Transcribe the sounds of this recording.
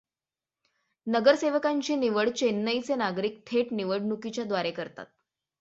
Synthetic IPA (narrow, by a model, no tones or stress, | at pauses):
nəɡəɾseʋəkaɲt͡ɕiːniʋəɽt͡ɕenːəjt͡senaɡɾiːk̚ʈ̪ʰeʈniʋəɽɳukit͡ɕjad̪ʋaɾekəɾt̪a̰t̪̚